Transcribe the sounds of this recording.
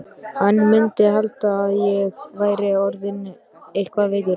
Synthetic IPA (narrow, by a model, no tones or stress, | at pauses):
hanːmʏnt̪ɪɦalt̪aːðjɛɣvaːjɾɪɔɾðɪn | ejhkvaveːkʏɾ